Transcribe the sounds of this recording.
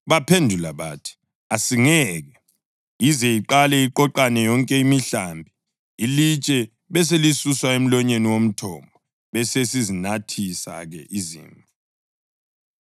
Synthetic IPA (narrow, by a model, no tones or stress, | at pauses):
βapʰendʱulaβa̰tʰi̥ | asiŋɛːɣɛ | izɛiǃalɛiǃɔǃanɛjɔŋkʼɛimiɬambʱi | ilit͡ʃʼɛ | βɛs̬elisuswaem̩lɔɲeniwom̩tʰɔmbʱɔ | βɛsesizinatʰisa̰ɣɛ̰ʔizḭːɱvʱu